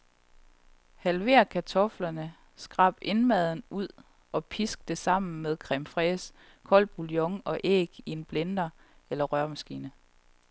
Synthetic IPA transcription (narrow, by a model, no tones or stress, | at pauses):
hælʋe̝ɐ̰kʰæt͡sʰɒ̽flɐnə | sɡ̥ʁɑ̈b̥e̝nmɛð̞ˠn̩uð̞̰ˠ | ɒ̽pʰisɡ̥̚d̥e̝sɑ̈m̰n̩með̞ˠkʰʁɛmfʁɛs | kʰɒ̽l̰b̥uljɔ̽ŋɒ̽ʔḛːɡ̥ie̝nb̥lend̥ɐ | elɐʁɶɐmæsɡ̥ḭːnə